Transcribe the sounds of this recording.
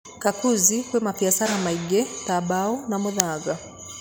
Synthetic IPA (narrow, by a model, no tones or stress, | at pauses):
kakuzikwɛmafiasanamaiɡɛtabaɔnamuðaɡa